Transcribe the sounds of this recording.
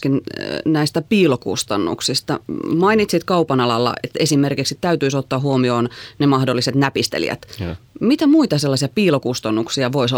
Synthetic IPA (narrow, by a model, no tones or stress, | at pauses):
kinnæist̪æpiːlokṵst̪ɑnːṵksist̪ɑ̰mɑinit̪sit̪kɑupɑnɑlɑlːɑ̰ʔet̪esimerkiksit̪æyt̪yisot̪ːɑːɦuomioːnnemɑhdolːiset̪næpist̪ḛlḭæ̰t̪mit̪æmuit̪ɑselːɑsiɑpiːlokust̪ɑnːuksiɑʋoiso